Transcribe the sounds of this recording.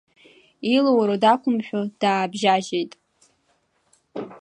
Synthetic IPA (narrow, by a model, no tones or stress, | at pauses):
ilowɾodakʷʰʼʊmʃᶣʊd̥aːbʒaʒejtʼ